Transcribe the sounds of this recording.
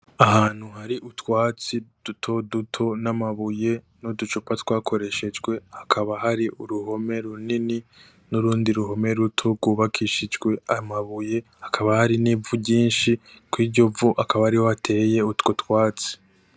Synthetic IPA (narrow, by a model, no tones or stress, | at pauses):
aɦaːn̥huɦaɾiʔutwaːt͡sid̥utʰo̞dutʰo̞namaβuje̞ | nodut͡ʃopatwaːkʰo̞ɾe̞ʃe̞d͡ʒɡwe̞hakʰaβaɦaɾiuɾuɦo̞me̞ɾunini | nuɾuːndiɾuɦo̞me̞ɾutʰo̞ɾɡuːβakʰiʃid͡ʒɡwe̞amaβuje̞hakʰaβahaɾiniːvuɟiːnʃikwiːɟo̞vuʔakʰaβahaɾihoatʰe̞ːje̞utkotwaːt͡si̥